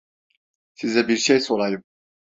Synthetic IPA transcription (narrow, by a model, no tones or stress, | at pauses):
sizɛbiɾʃejso̞lˠajɯm